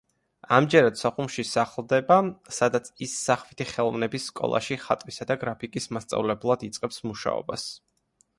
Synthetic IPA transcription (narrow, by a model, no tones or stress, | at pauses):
amd͡ʒɛɾad̪sɔχumʃisaχlˠd̪ɛbasad̪at̪sʰisːaχvit̪ʰiχɛlˠɔvnɛbisːkʼɔ̰lˠa̰ʃiχat̪ʼwisad̪aɡɾapʰikʼismast̪sʼa̰vlɛblˠad̪it̪sʼqʼɛpsmuʃa̰ɔ̰bas